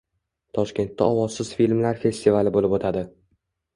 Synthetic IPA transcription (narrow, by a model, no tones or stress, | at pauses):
t̪ʰɒʃkʲe̞nt̪ʰːaɒwɒzsɪz̥filʲmlaɾfe̞st̪ivalɪbolɪpot̪ʰad̪ɪ